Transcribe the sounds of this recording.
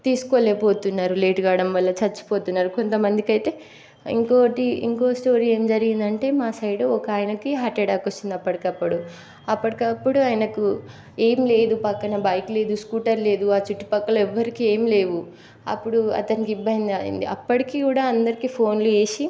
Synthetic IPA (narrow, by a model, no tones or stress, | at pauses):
t̪iːsu̥koːleːpo̞ːt̪unːaːɾule̞ːʈɡaːɽɐmʋɐlːɐt͡ʃɐt͡ʃːi̥po̞ːt̪unːaːɾuko̞nt̪ɐmɐnd̪ikɐjt̪e̞ː | ḭŋkoːʈiḭŋkoːsʈo̞ːɾie̞ːmd͡ʒɐɾiɡind̪ɐɳʈe̞ːmaːsɐjɽoɔkaːjɐnɐkiɦaːʈːɛɖaːkot͡ʃːind̪ɐpːɐɽikɐpːɐɽu | ɐpːɐʈikɐpːuɽuaːjnɐku | e̞ːmle̞ːd̪upɐkːɐnɐbɐjkule̞ːd̪uskuːʈɐɾle̞ːd̪uaːt͡ʃuʈːi̥pɐkːɐlɐɛʋːɐɾikie̞ːmle̞ːʋu | ɐ̰pːuɽuɐ̰t̪ɐnikibɐnd̪aːḭnd̪ḭɐpːɐʈikiːkuːɽaːɐnd̪ɐɾikiːpʰo̞ːnlue̞ːʃi